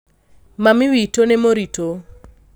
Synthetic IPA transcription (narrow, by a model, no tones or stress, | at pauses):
mamɪwitonemoɾito